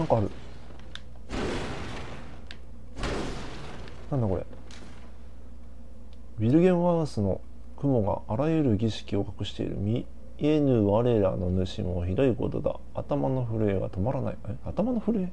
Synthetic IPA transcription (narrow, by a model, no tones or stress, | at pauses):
nãŋkaːɾɯ̟ | nãnd̪ako̞ɾe̞̰ | bʲiɾɯ̟ɡʲẽ̞ɰ̃βasɨno̞ | kɯ̟mo̞ɡa̰ʔːɾajɯ̟ɾɯ̟ɡʲiɕi̥kʲio̞kḁkɯ̟ɕi̥t̪e̞̰ḭɾɯ̟̰mʲi | enɯ̟ːβaɾe̞ɾa̰ːno̞nɯ̟ɕḭ̃moçid̪oiko̞̰t̪o̞d̪a̰ | at̪amano̞ɸɯ̟ɾɯ̟e̞ɡa̰t̪o̞maɾana̰ieat̪amanoɸɯ̟ɾɯ̟e